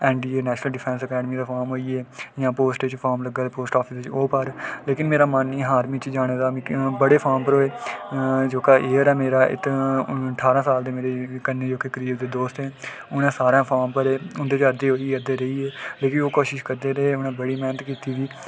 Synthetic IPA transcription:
ɛːɳɖiːeːnɛːʃnəlɖɪpʰɛ̃ːnsəkɛːɖmiːd̪aːpʰaːɾmɦoːiːɛːjãːpoːsʈeːt͡ʃpʰaːɾmləɡaːpoːsʈɔːpʰɪst͡ʃoːpəɾleːkɪnmeːɾaːmaːniːɦaːɾmĩːt͡ʃd͡ʒaːɽ̃eːd̪aːm̃ːbəɽeːpʰaːɾmpəɾɦoːeː | d͡ʒoːkaːʔeːəɾɛːmeːɾaːʔɪ̰t̪əɳʈʰaːɾãːsaːld̪eːmeːɾeːkənːeːd͡ʒoːkeːkəɾiːbd̪eːd̪oːst̪ɦɛː | ʊnãːsaːɾãːpʰaːɾmpəɾeːʊnd̪eːt͡ʃəd̪eːɦoːiəɾd̪eːɾəiːeːleːkɪnoːkoːʃɪʃkəɾd̪eːɾəeʊnãːbəɽiːmɛːnət̪kiːt̪iːd̪iː

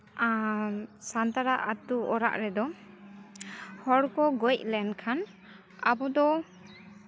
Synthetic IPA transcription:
sant̪aɾaʔat̪uɔɾa̰ʔɾɛd̪ɔ | hɔɽkɔɡɔjc̚lɛnkʰan | abɔd̪ɔ

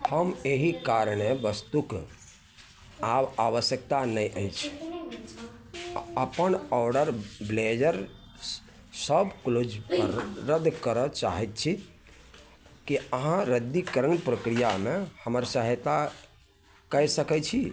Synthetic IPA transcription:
həmeɦikaɾñebəst̪uk | abaʋəsjək̚t̪anəjʔəjt͡ʃʰ | əpənɔɖəɾbled͡ʒəɾ | səbklod͡ʒpəɾːəd̪ːkəɾət͡ʃa̰ɦɛt̪̚t͡ʃʰi | kiəɦãɾəd̪ikəɾənpɾəkɾijamehəməɾsəɦjt̪a | kəjsəkɛt͡ʃʰi

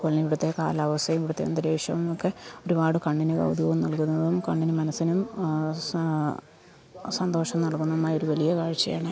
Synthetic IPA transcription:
koɭniʋiɽut̪ːe̞ka̰ːlaːʋɐsɐjɐmiʋiɽut̪ːe̞ɐ̰nd̪ɐɾeːiʂɐ̰mmimokːeoɾubaːɽɨkɐɳɖinɨɡɐ̰wd̪ʱjɐʋumnɐɭkunːɐðumkɐɳɖinɨmɐnɐsːinum | sɐnd̪o̞ːʂɐmnɐɭkunːɐðumaːjoɾuʋɐlijɐkaːɻit͡ɕːɐja̰ːɳɨ

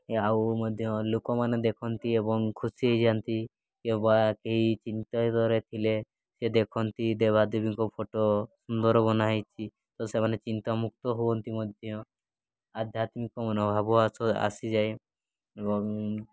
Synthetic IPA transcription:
awmɔd̪ʱjɔlukɔmaned̪ekʰɔnt̪iebɔŋkʰusieɦid͡ʒant̪i | kebakeɦit͡ʃint̪ad̪ɔɾet̪ʰile | sed̪ekʰɔnt̪id̪eβad̪ebiŋkɔpʰoʈosund̪ɔɾɔbɔnajt͡ʃʰi | t̪ɔsemanet͡ʃint̪amuk̚t̪ɔɦuɔnt̪imɔd̪ʱjɔ | ad̪ʱjat̪mikɔmɔnɔbʱabɔasɔa̰sid͡ʒaj | ebɔŋ

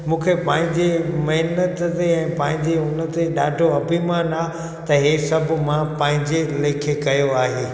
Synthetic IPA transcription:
mũːkʰepãːɦɪ̃ɲd͡ʑemɐɦɪnət̪t̪eɛ̃ːpãːɦɪ̃ɲd͡ʑeʊnət̪eɗaːɖʱoɐbʱimaːnaː | t̪ɐɦesɐbʱʊmãpãːɦɪ̃ɲd͡ʑeleːkʰekɐjoaːɦeː

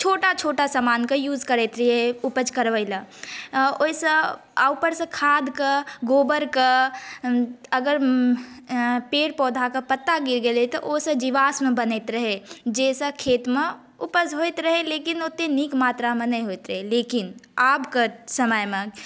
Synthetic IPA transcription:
t͡ʃʰoːʈat͡ʃʰoːʈasamaːnkajuːd͡ʒkəɾeːt̪ɾəɦeʊpəd͡ʒkəɾʋəɪla | osə | aupəɾsẽkʰaːd̪kəɡoːbəɾka | əɡəɾ | peːɽpɔːd̪ʱakapət̪ːaɡɪɾɡelet̪oʔoːsed͡ʒiʋaːsmẽbəneːt̪ɾəɦed͡ʒeːsəkʰeːt̪mẽ | ʊpəd͡ʒɦoːt̪ɾəɦeleːkɪnoːt̪eniːkmaːt̪ɾamẽnɐĩɦoːit̪ɾəɦeleːkɪnaːbkəsəməjmẽ

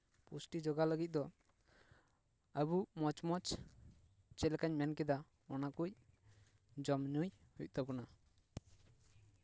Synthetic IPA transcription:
pusʈid͡ʒɔɡaləɡit̪̚ˀd̪ɔ | əbumɔt͡ʃmɔt͡ʃ | t͡ʃɛlkaɲmɛnkɛd̪a | ɔnakuc̚ | d͡ʒɔmɲujhuc̚t̪ɔpɔna

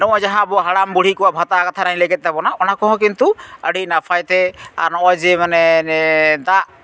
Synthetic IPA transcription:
nɔ̃ʔɔd͡ʒaɦãbɔɦaɽambuɽ̤ikɔwabʱat̪akat̪ʰanaj̃lɛɡɛt̪̚d̪ɛbɔnaɔnakɔɦɔ̃k̬int̪uəɽinapʰajt̪ɛa̰ɾnɔʔajd͡ʒɛmanɛɛd̪aʔ

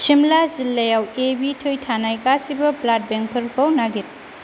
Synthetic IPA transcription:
simlazilːɐjawebitʰojtʰanajkasibɐplat̚beŋpʰɐɾkawnaɡit̚

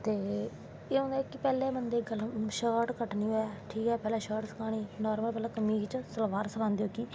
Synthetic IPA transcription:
t̪eː | eːɦõːnd̪aːɛːkɪpɛːleːbənd̪eːɡəlʃəʈkəʈniːoɛːʈʰiːkɛːpɛːlɛːʃəːʈsə̥kʰaːñiːnɔːɾməlpɛːlaːkəmiːt͡ʃsəlʋaːɾsəkʰãːnd̪eːoːkiː

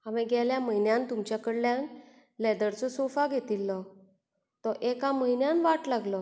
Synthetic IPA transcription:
aʋẽɡʱɛljaməɦinjãnt̪umt͡ɕjakəɽljãn | lɛd̪əɾt͡sɔsofaɡʱet̪ilːɔ | t̪ɔʔekãməɦinjanʋaʈlaɡlɔ

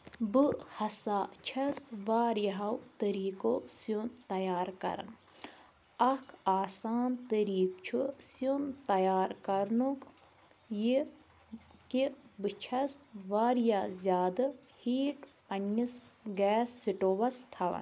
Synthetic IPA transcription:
bɨhɐsaːt͡ʃʰɐsʋaːɾjɐɦɐwt̪əɾiːkoːsjunt̪ɐjaːɾkɐ̰ɾɐ̰n | ɐkʰaːsaːnt̪əɾiːk̚t͡ʃʰusunt̪ɐjaːɾkɐɾnuk | ji | kibɨt͡ʃʰɐsʋaːɾjaːzʲjaːd̪ɐhiːʈpɐnːisɡɛːsːiʈoːʋɐst̪ʰɐʋɐ̰n

